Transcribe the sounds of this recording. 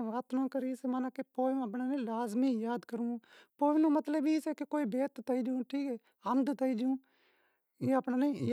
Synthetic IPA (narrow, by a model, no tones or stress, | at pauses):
ʋaːt̪nõːkəɾiːsemaːnaːkepoːɪ̃əpnaːnẽːlaːzmiːjaːd̪kəɾũːpoːɪnõːmət̪ləbiːseːkekoːibeːt̪t̪əiːd͡ʒũːʈʰiːkɛː | ənd̪t̪əid͡ʒũː | eːəpnaːnẽːj